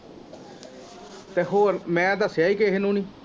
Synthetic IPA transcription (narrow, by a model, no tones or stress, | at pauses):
t̪eːɦoːɾmɛ̃ːd̪əsjaːiːkeːɦenũːniː